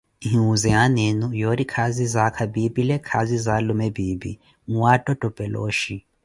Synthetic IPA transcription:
ɦĩɦuzɛɦanenujoɾikʰazizakʰabibilɛkʰazizalumɛbiːbḭ | ŋuwatʼɔtʼɔb̥ʱʼɛlo̰ːʃi

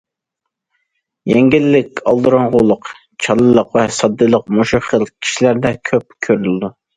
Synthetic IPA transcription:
jɛŋɡʲɪlːɪkʲɑlˠd̪ɨɾɑŋʁʊlˠʊq | t͡ʃʰɑlˠːɨlˠəqvɛsɑd̪ːɨlˠəq̚moʃuχəlˠkʲʰi̥ʃilæɾd̪ɛkʲʰøp̚kʲʰøɾylɪd̪u

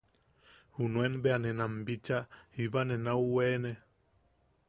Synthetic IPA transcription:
hunuenbeanenambit͡ʃahiβanenauweːne

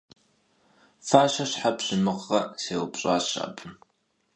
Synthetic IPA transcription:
faːʃɐɕħapɕɪmɨqːɐseːwpɕʼaːɕa̰pʰʼɨm

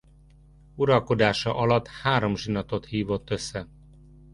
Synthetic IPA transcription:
uɾɒlko̞d̪aːʃɒʔɒlɒt̪haːɾo̞mʒinɒt̪o̞t̪hiːvo̞t̪ːø̞sːɛ

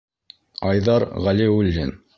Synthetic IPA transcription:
ɑjðɑɾʁæliulʲːin

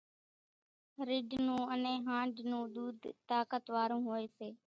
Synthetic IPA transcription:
ɾɪɖʱnũːənẽːɦãːɳɖnũːɗ̪uːd̪ʱt̪aːkət̪ʋaːɾũːɦoːeːseː

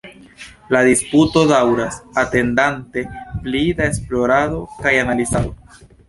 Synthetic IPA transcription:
ladisputo̞dawɾasate̞ndante̞plidaesplo̞ɾado̞kajanalizado

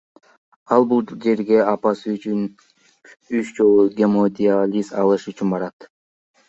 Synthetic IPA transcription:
ɑlˠbulˠd͡ʒe̞ɾɡe̞ɑpɑsɯyt͡ʃyn | yt͡ʃd͡ʒo̞lˠuɡʲemod̪ʲialʲisɑlˠɯʃyt͡ʃynbɑɾɑt̪

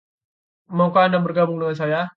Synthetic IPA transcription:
mɔŋkoandabərɡabʊŋdəŋas̬aja

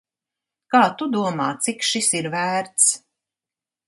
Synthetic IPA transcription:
kaːt̪ud̪uɔmaːt̪sikʃisiɾvæːɾt̪s

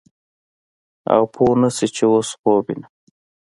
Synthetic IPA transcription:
a̰wpʰonəsit͡ʃewosxobḭna

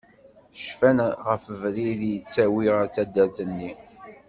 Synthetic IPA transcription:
ʃfænʁəfvɾiðjət͡sːæwiʁæt͡sːæd̪ːæθənːi

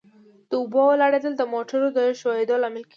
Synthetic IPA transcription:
d̪̥əʊbowlaɽed̪əld̪əmoʈəɾod̪əʃɑjɪd̪olamɪlke

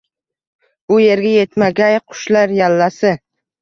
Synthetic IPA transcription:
bʊje̞ɾɡʲaje̞t̪maɡʲajqʰʊ̥ʃlaɾjalːasɪ

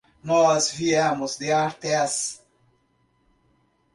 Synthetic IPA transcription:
nɔzviemʊzd̪ɪaɾt̪ɛs

